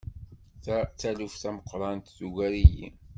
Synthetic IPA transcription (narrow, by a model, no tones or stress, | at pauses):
t͡sːælufθæməqːɾˤɑnt̪ðuʝæɾijḭn